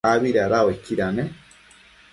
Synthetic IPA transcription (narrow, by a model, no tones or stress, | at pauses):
aβiɾaɾawekiɾane